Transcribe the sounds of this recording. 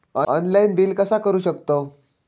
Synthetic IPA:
ɔɔnlainbilkəsakəɾuːɕəkt̪o

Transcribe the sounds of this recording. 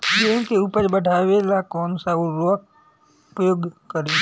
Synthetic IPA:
d͡ʒẽnkʰeʊpəd͡ʒbəɖʱaːʋelakoːnsauɾok | ʊpɾəjoːɡkəɾi

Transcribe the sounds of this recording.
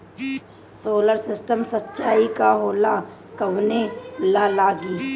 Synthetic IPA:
soːləɾsɪsʈəmsətːʃaːikaɦoːla | kɐʋnelalaːɡiː

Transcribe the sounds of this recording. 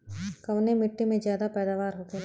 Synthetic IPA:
kɐʋnemɪʈːimẽd͡ʒjaːd̪apɛːd̪aːʋaːɾɦoːt̪e

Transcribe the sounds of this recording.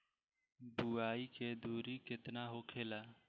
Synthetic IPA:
buaːiːkeːd̪uːɾikɪt̪naːɦoːkʰeːlaː

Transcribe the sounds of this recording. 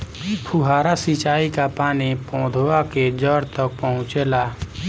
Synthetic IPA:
pʰuɦaːɾasit͡ʃaːikapaːnipɔ̃ːd̪ʱoaked͡ʒəɾt̪ək̚pəɦʊ̃t͡ʃelaː

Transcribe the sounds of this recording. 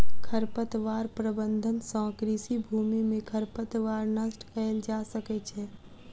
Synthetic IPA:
kʰəɾpət̪ʋaːɾpɾəbə̃nd̪ʱənsɔ̃ːkɾisibʱuːmimẽkʰəɾpət̪ʋaːɾnəsʈkʰəeld͡ʒaːsəkɛt͡ʃʰɛː

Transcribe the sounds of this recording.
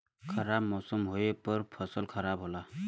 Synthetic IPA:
kʰʌɾabmɔsɔmɦojepɔɾpʰʌsɔlkʰʌɾabɦola

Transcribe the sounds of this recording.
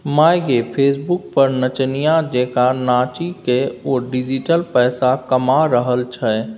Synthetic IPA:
maːjɡepʰeːsbʊk̚pəɾnət͡ʃnijad͡ʒeːkanaːt͡ʃikeoːɖɪd͡ʒiʈəlpɛːsakəmaɾəɦəlt͡ʃʰɛ

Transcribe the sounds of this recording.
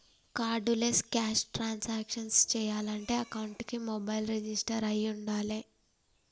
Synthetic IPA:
kaːɖuleskaːʂʈɾaːnsaːkʂɐnst͡ʃɛːjaːlɐɳʈe̞ːɐkɐwuɳʈkimɔbɐjlɾed͡ʒisʈɐɾɐjuɳɖaːle

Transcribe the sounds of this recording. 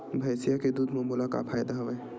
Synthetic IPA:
bʱɐːsijaked̪uːd̪ʱmomulaka̰pʰaːjd̪aɦʋə

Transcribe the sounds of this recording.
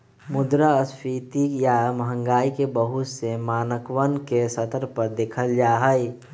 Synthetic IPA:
mʊd̪ɾaəspʰiːt̪ikjaməɦə̃ŋɡaːikebəɦʊsemaːnəkwənkesət̪əɾpəɾd̪eːkʰəld͡ʒaːɦəi

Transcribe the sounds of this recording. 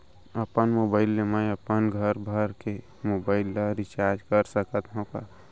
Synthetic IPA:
əpənmoːbaːɪlːemãəpənɡʱəɾbʱəɾke | mobaːɪlːaɾɪt͡ʃaːɾd͡ʒkəɾsəkət̪ɦõka

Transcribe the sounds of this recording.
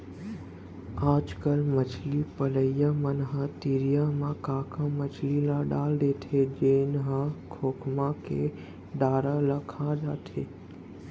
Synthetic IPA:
aːd͡ʒkəlmət͡ʃʰlipələjamənɦə̃t̪iɾijamãkãːkʰãmət͡ʃʰlilãɖaːld̪eːt̪ʰed͡ʒenɦə̃kʰoːkʰmãkḛ | ɖaːɾaləkʰãd͡ʒaːt̪ʰḛː

